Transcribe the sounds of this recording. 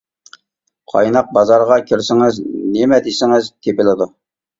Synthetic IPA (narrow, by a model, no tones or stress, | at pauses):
qʰɑ̰jnɑq̚bɑzɑɾʁɑkʲʰiɾsɪŋɪznɪmɛd̪esɪŋɪzt̪ʰepɪlɪd̪u